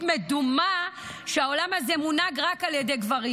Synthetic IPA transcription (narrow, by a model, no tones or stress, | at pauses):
me̞duma | ʃeao̞lamhazemunaɡʁakaljedejɡvaʁi